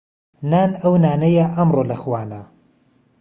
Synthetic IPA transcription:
naːnɐwnaːnɐjaʔɐmroːlɐxwaːna

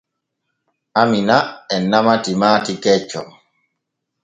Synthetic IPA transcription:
aminaɛnːamatimaːtikɛt͡ʃːɔ

